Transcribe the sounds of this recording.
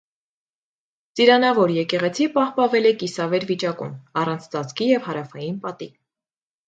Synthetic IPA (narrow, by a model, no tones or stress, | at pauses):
t͡siɾɑnɑvɔɾjɛkɛʁɛt͡sʰipɑhpɑnvɛlɛkisɑvɛɾvit͡ʃɑkṵmɑrɑnt͡sʰt͡sɑt͡sʰkijɛvhɑɾɑfɑjinpɑt̪i